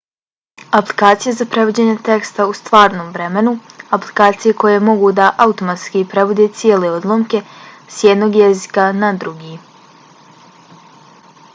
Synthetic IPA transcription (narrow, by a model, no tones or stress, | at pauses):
aplˠikaːt̪sijazapɾe̞ʋod͡ʑe̞ɲe̞t̪e̞kst̪aust̪ʋaːɾno̞ːmʋɾe̞me̞nuaplikaːt̪sijekʰo̞jemo̞ɡud̪aʔaut̪o̞mat̪skipɾe̞ʋod̪et̪sijele̞od̪lˠomke̞sjed̪no̞ɡjezikanad̪ɾuɡiː